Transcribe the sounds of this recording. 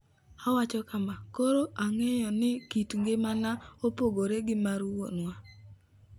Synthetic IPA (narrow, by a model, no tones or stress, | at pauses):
awat͡ʃɔkamakoɾoʔaŋejɔnɪkitŋɡemanaopoɡoɾeɡɪmaɾwo̰nwa